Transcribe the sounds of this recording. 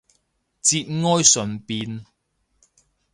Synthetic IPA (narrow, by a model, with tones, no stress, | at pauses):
t͡siː˧t̚ŋɔː˥jsɵ˨npiː˧n